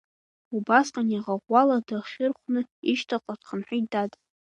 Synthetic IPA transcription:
ubasqʼaniʁaʁʷaladaχʲɪrχʷnɨiʃtʰaqʼatχənħʷᶣij̚datʼ

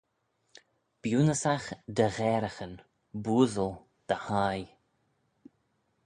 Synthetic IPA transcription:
b̥juːnəsaxd̪əɣɛːɾəxən | buːðəlˠ | d̪̥əhaj

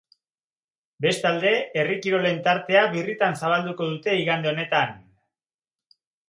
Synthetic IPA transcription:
be̞st̪ald̪e̞erikiɾo̞le̞nt̪aɾt̪e̞aβirit̪ansaβ̞ald̪uko̞ð̞ut̪e̞iɣand̪eo̞ne̞t̪an

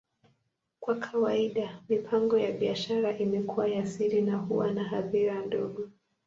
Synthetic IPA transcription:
kwakʰawaiɗamipʰaŋɡɔjaɓiaʃaɾaʔimɛkʰuwajasiɾinaɦuwanaɦaðiɾandɔɠɔ

